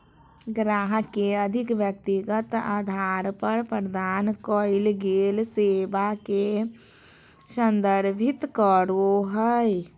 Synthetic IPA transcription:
ɡɾaːɦəkeəd̪ʱɪkʋjək̚t̪iɡət̪a̰d̪ʱaːɾpəɾpɾəd̪ʱaːnkoɪlɡeːlseːʋake | sə̃nd̪əɾbʱɪt̪kəɾoɦəj

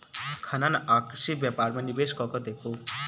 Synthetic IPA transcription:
kʰananaksibjapaɾmanibeskɔkɔd̪ekʰo

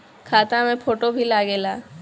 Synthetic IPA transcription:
kʰaːt̪amẽpʰoːʈobʱilaːɡelaː

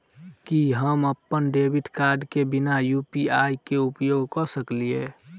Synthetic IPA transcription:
kiɦəməpːənɖeːbɪʈkaːɾɖkebɪnajuːpiaːjkeʊpjoːɡkɔsəklieː

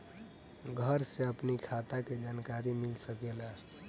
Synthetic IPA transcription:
ɡʱəɾseəpnikʰat̪aked͡ʒankaɾimilsəkela

